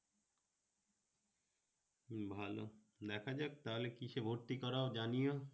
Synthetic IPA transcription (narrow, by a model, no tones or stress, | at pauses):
bʱalo | d̪ɛkʰad͡ʑak̚t̪aɦolekiʃebʱoɾt̪ikɔɾaod͡ʑanijo